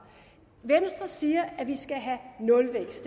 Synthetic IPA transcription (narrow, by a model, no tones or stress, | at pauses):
ʋensd̥ʁɐsiːɐæʋisɡ̥æɦænɔ̽lʋḛ̥ːsd̥